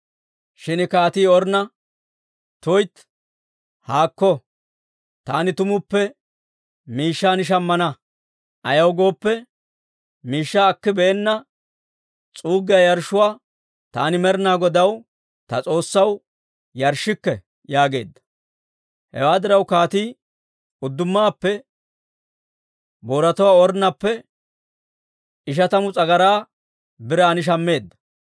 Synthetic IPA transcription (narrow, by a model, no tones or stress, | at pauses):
ʃɪnɪkaːt̪iːɔɾnɐ | t̪ɔjt̪ | haːkːɔ | t̪aːnɪt̪ʊmʊpːɛ | miːʃːaːnɪʃ̬ɐmːɐnɐ | ʔɐjɐwɡo̞ːpːɛ | miːʃːaːkːɪbɛɛnːɐ | t͡sʼuːɡɪjajɐɾʃʊwaː | t̪a̰ːnɪmɛɾnaːɡɔd̪ɐw | t̪ɐt͡sʼo̞ːsːɐw | jɐɾʃːɪkːɛ | jaːɡe̞̰ːd̪ːɐ̥ | hɛ̰waːd̪ɪɾɐwkaːt̪iː | ʊd̪ːʊmːaːpːɛ | bo̞ːɾɐt̪ɔwaːɔɾnɐpːɛ | ɪʃ̬ɐt̪ɐmʊt͡sʼɐɡɐɾaː | bɪɾaːnɪʃ̬ɐmːe̞ːd̪ːɐ̥